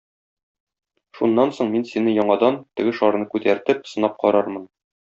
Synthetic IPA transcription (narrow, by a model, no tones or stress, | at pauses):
ʃunːɑnsoɴminsinɘjɒɴɑd̪ɑnt̪ɘ̆ɡɘʃɒɾnɤkʉt̪æɾt̪ɘp̚sɤ̆nɑp̚qɒɾɑɾmɤn